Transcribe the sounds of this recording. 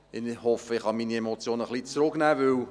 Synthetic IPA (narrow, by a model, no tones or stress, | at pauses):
ɪnhɔfəɪχhɑmiːniemot͡sjoːnəχlit͡sɾʊknæːvɵw